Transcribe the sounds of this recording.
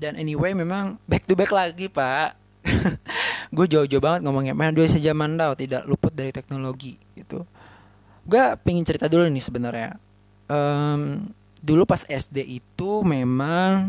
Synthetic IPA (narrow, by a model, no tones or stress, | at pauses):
danʔɛniwejmemaŋbɛk̚t̪ubɛklaɡipaʔ | ɡuad͡ʒaud͡ʒobaŋət̪̚ŋomɔŋɲameaduaisəd͡ʒamandawt̪ida̰ʔlupʊt̪̚daɾit̪ɛk̚noloɡiɡit̪ṵ | ɡuapiŋɪnt͡ʃəɾit̪adulunɪsəbənərɲa̰ | ʔəm | dulupasɛsdeʔit̪umemaŋ